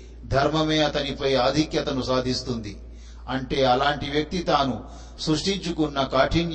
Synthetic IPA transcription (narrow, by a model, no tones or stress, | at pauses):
d̪ʱɐɾmɐmeːɐt̪ɐnipɐjaːd̪ʱikjɐt̪ɐnusaːd̪ʱist̪und̪i | ɐɳʈe̞ːɐlaːɳʈiʋjɐk̚t̪it̪aːnu | sɾuʂʈiɲt͡ʃukunːɐkaːʈʰin